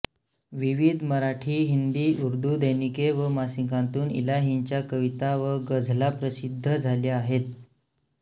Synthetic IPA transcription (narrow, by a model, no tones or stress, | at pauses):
ʋiʋid̪ʱməɾaʈʰiːɦind̪iːuɾd̪ʱud̪əjnikeʋəmasiŋkãnt̪uːnḭlaɦiɲt͡ɕjakəʋit̪aʋəɡəd͡zʱlapɾəsid̪ʱːəd͡zʱaljaːɦet̪̚